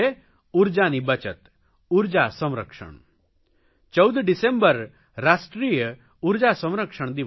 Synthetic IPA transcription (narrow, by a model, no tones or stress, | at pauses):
e | uɾd͡ʒanibɐt͡ʃət̪ | uɾd͡ʒasɔmɾəkʂɔ̰ɳ | t͡ʃɔwd̪ɖisembəɾ | ɾasʈɾijə | uɾd͡ʒasɔ̃mɾəkʂɔɽ̃d̪i